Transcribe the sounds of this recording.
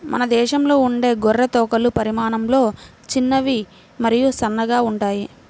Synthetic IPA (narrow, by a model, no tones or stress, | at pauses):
mɐ̰nɐd̪ɛːʃɐmlo̞ːuɳɖe̞ːɡɔrːɐt̪ɔːkɐlupɐɾimaːnɐmlo̞ː | t͡ʃinːɐʋi | mɐɾijusɐnːɐɡaːuɳʈaːji